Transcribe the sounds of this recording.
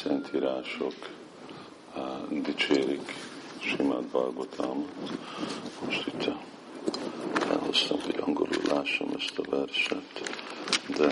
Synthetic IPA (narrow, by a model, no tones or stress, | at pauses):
sɛnt̪ʰiːɾaːʃok | d̪it͡ʃeːɾik | ʃima̰ːd̪bɑrɡot̪ʰaːmot̪ | moʃt̪it̪ʰːɑ | fɛ̰lhost̪ɒmhoɟɒŋɡolullʔaːʃːomʔɛst̪ɒvɛrʃɛɲt̪ | d̪ɛ